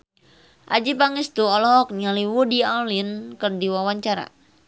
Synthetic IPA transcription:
ʔa̰d͡ʒipaŋist̪uɔlɔk̚nialiwudialinkɨrdiwawaɲt͡ʃaɾa̰

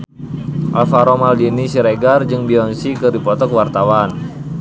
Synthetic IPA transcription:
ʔalfaɾɔmaldinisiɾeɡard͡ʒɨŋbiɔnsikɨrdipɔt̪ɔkwart̪awan

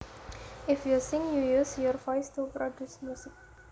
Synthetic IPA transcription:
ɪfjusĩŋjujusjɔɾfaɪstupɾɔdjusmjusɪk̚

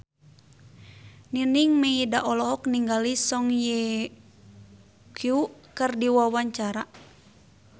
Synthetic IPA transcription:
niniŋmeidaʔɔlɔɦɔk̚niŋɡalisɔŋjɛ | kjukɨrdiwawaɲt͡ʃaɾa

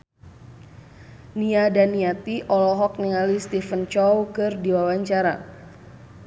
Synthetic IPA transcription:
niadaniat̪iʔɔlɔɦɔk̚niŋalist̪ifənt͡ʃɔwkɨrdiwawaɲt͡ʃaɾa̰

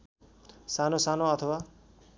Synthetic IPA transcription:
sanosanoʌt̪ʰʌwa

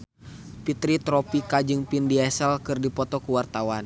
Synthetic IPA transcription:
pit̪ɾit̪ɾɔpikad͡ʒɨŋpindiɛsɛlkɨrdipɔt̪ɔkuwart̪awan

